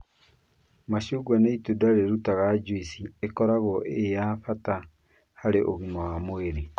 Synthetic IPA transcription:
maʃuɡwaneitudaɾeɾutaɣad͡ʒwisiekɔɾaɣɔʔejafata | haɾeʔoɣimawamoeɾe

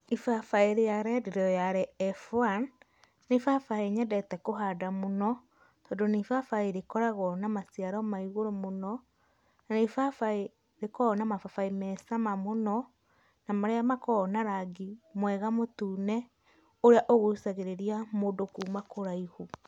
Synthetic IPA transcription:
ifafaeɾejaɾɛdeɾɔjaɾɛɛfanː | efafaeɲɛdɛtɛkoɦadamonɔ | tɔdonifafaeɾekɔɾaɣɔnamasiaɾɔmaiɣoɾomonɔ | nanefafae | ɾekɔːnamafafaimɛsamamonɔ | namaɾeamakɔnaɾaɡimwɛɣamotuːnɛ | oɾeaʔoɣosaɣeɾeɾiamoːdokumakoɾaihu

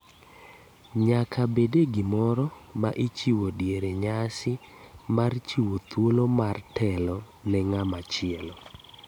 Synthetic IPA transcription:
ɲakʰabedeɡɪmɔɾɔmaʔit͡ʃiwodjeɾeɲasɪmart͡ʃiwot̪ʰwolomartʰɛlɔ | nɛŋamat͡ʃɪɛlɔ

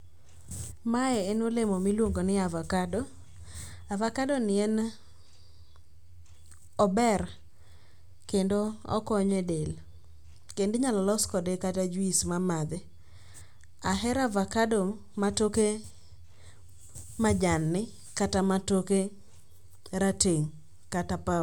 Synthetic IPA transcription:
maɛenolemomilwoŋɡonɪavakado | avakadonɪɛn | ɔbɛr | kendoɔ̰kɔɲɛdel | kendɪɲalɔlɔskɔdɛkatad͡ʒismamad̪ɛ | aɦɛɾavakadɔ | matoke | mad͡ʒanːɪ | katamatoke | ɾateŋ | katapa

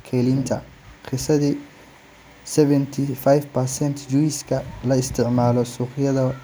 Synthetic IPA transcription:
kʰɛːlint̪ʰɐ | qɪsɐðiː | sɛβɛnt̪ʰifajfpʰɐrsɛnt̪ʰd͡ʒujskʰɐlɐɪst̪ʰɪʕmaːlɔsuːχɪjɐðɐ

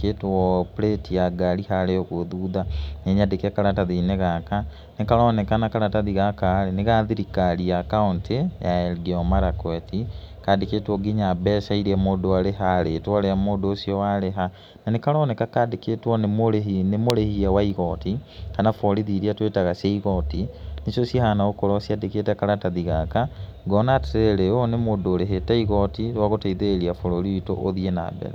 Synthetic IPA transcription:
keːtwɔpɾetijaɡalihaɾeɔɣoðuːðaneɲadekɛkaɾataðineɣaka | nekaɾɔːnɛkanakaɾataðiɣakaɾeneɣaðiɾikaɾiakauntʰejaɛɾɡeɔmaɾakwɛtikadeketwɔɡiɲabɛsaiɾɛmoːdoaɾeɦaɾetwaɾeamoːdoːsiɔwaɾeɦa | nanekaɾɔnɛkakadekeːtwɔnemoɾeɦinemoɾehiawaiɣɔtikanafɔɾiðiɾiatwetaɣaseiɣɔtinesosjahanaokoɾɔsiadekeːtɛkaɾataðiɣakaɡɔnateɾeɾeonemodoːɾeɦetaiɣɔtiɾwaɣotaiðeeɾiafoɾoɾiito̰ʔoðiena̰bɛ̰ɾɛ̰

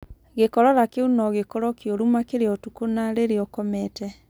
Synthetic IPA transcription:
ɣekɔɾɔɾakeunɔɣekɔɾɔkjoɾumakeɾeɔtukonaɾeɾeɔkɔmɛtɛ

